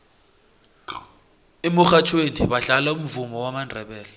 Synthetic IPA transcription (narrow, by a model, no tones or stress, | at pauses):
emuxat͡ʃʰwenḭɓaɮalaum̩vumɔwamandʱɛɓɛːlɔ